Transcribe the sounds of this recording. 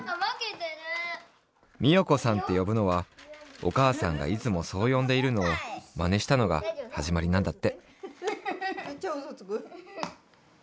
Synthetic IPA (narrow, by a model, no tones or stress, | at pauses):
amakẽtd̪ane | mʲijo̞ko̞sãnt̪e̞jo̞bɯ̟no̞βao̞̰kaːsãŋɡa̰it͡sɨmo̞so̞ːjõ̞nd̪e̞iɾɯ̟no̞ːmane̞ɕi̥t̪ano̞ɡa̰haʑimaɾʲinãnd̪at̪ːe̞ | t͡ɕozot͡skɯ